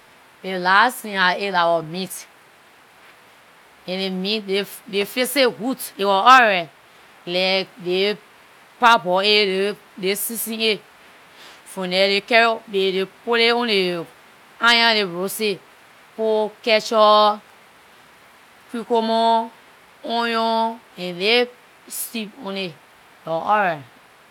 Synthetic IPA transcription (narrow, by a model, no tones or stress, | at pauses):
delastĩaelawɔmit | ɛ̃nemitdedefesehutewɔɔɾɛ | lɛkde | pabɔee | desisĩe | fũnɛdekɛɾbedepoleõne | ãjãleɹose | pokɛt͡ʃɔ | kikomo | õjõɛ̃le | stipõne | ɔɔɾɛ